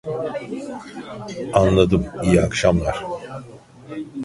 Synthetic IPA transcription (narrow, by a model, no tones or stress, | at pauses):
anlˠad̪ɯmijiakʃamlˠaɾ̥